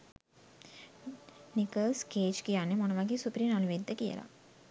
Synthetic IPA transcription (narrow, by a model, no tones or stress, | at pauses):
nikəlskeːd͡ʒkijaːnemonɐʋaːɡisupɾiːnɐnuʋed̪ʱːɐkijɐ̰la̰